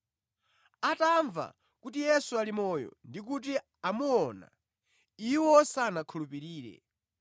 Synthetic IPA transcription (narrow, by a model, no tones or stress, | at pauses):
ataɱva̰ | kutijɛsualimɔjɔ̰ndik̬ut̬i | amuɔna̰ | iwɔsanakʰulupiɾiːɾɛ̰